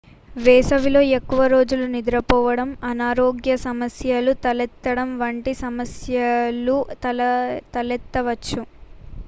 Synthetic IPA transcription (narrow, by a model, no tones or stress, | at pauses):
ʋɛːsɐʋilo̞ːe̞kːuʋɐɾo̞ːd͡ʒulunid̪ɾɐpɔːʋɐɽɐmɐnaːɾoːɡjɐsɐmɐsjɐlut̪ɐlɛt̪ːɐɽɐmʋɐɳʈisɐmɐsjɐlu | t̪ɐlɛt̪ːɐʋɐt͡ʃːu